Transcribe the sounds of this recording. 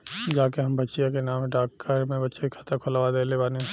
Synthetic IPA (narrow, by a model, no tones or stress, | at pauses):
d͡ʒaːkeɦɐmbɐtːʃijakenaːmɖaːkːʰəɾmẽbɐtːʃeikʰat̪akʰʊlaʋad̪eːlebaːne